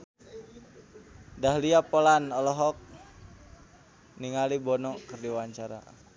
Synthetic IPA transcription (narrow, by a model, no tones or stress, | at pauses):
daɦliapɔlanɔlɔɦɔk̚ | niŋalibɔnɔkɨrdiwaɲt͡ʃaɾa̰